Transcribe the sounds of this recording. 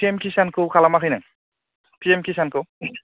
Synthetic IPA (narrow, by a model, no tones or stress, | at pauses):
pʰiɛmkʰisankʰɯkʰalamakʰɯjnaŋ | pʰiɛmkʰisankʰɯ